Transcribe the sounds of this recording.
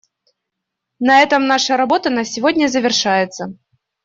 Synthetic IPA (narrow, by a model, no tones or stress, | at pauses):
nɐɛt̪əmnaʂəɾɐbot̪ənasʲɪvodʲnʲəzəvʲɪrʂajɪt̪sə